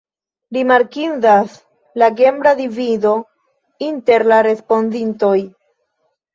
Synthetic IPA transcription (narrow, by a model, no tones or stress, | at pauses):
ɾimaɾkindas | laɡe̞mbɾadivido̞ | inte̞ɾlaɾe̞spo̞ndinto̞j